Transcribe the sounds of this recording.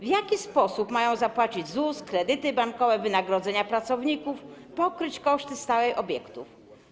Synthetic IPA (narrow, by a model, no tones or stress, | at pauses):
vjakʲispɔsupmajɔ̃w̃zapwat͡ɕid͡ʑzuskɾɛd̪ɘt̪ɘbaŋkɔvɛvɘnaɡɾɔd̪zɛɲapɾat̪sɔvɲikufpɔkɾɘt͡ɕkɔʂt̪ɘst̪awɛjʔɔbʲjɛkt̪uf